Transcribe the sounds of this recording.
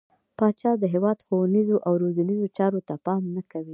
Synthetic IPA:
pɑt͡ʃɑd̪əɦewɑd̪xowanizoʔawɾozanizot͡ʃɑɾot̪apɑmnakawi

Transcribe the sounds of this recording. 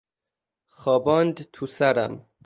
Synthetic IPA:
xɒːbɒːnd̪t̪ʰusæɾæ̰m

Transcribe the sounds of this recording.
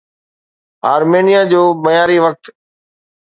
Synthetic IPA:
aːɾmeːnijad͡ʑoːmɐjaːɾiʋək̚t̪

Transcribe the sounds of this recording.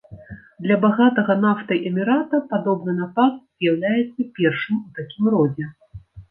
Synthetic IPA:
d̪lʲɐbaɣat̪ɐɣɐnaft̪ɐjʔɛmʲiɾat̪ɐpad̪ɔbnɨnapat̪z̥jawlʲajɛt̪sːɐpʲɛrʂɨmut̪akʲimrɔd͡zʲɛ

